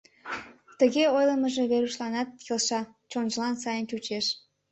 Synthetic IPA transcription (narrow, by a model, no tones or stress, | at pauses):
t̪əɣeojləməʒe̽βeɾuʃlɑnɑt̪̚kelʃɑ | t͡ɕonʒəlɑnsɑjənt͡ɕut͡ɕeʃ